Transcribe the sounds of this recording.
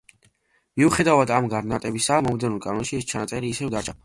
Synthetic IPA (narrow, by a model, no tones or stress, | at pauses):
miuχɛd̪avad̪amɡaɾnat̪ʼɛbisamɔmd̪ɛnulˠkʼanɔnʃiɛst͡ʃʰanat̪sʼɛɾiːsɛvd̪at͡ʃʰʼa